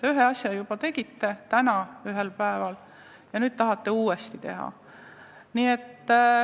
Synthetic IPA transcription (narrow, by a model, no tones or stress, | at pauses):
t̪eyɦeɑsʲjɑjub̥ɑt̪e̞ɡ̥it̪ːe̞t̪ænɑyɦelpæevɑl | jɑnyːd̪̚t̪ɑɦɑt̪ːe̞uːest̪it̪e̞̰ɦɑ̰ | niːet̪ː